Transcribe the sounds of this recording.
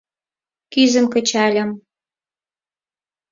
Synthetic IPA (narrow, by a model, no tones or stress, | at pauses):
kyzə̆mkə̆t͡ɕɑlʲə̆m